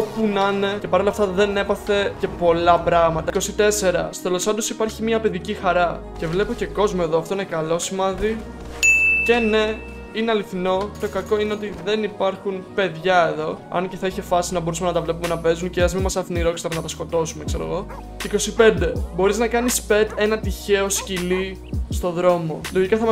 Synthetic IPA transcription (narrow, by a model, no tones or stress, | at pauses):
opunɐnece̞pɐɾo̞lɐft̪ɐðe̞ne̞pɐθe̞ce̞po̞lɐpɾɐɣmɐt̪ɐko̞sit̪e̞se̞ɾɐ̰so̥t̪elo̞spɐnd̪osipɐɾçimiɐpe̞ðicixɐɾɐce̞vle̞po̞ce̞ko̞zmoe̞ðoɐft̪o̞inekɐlo̞simɐði | ce̞ne | ineɐliθino̞t̪o̞kɐko̞ineo̞t̪̬iðe̞nipɐɾxunpe̞ðʝɐe̞ðo̞ɐ̰nce̞θɐiçe̞fɐsinɐbo̞ɾusumenɐt̪ɐvle̞p̬ume̞nɐpe̞zunceɐzmimɐsɐθiniɾo̞ksi̥t̪ɐɾnɐt̪ɐsko̞t̪o̞sume̞kse̞ɾo̞̰ɣo̞ | iko̞sipe̞nd̪e̞bo̞ɾiznɐkɐnispe̞t̪e̞nɐt̪içe̞o̞scili | st̪o̞ðɾo̞mo̞lo̞ʝikɐθɐm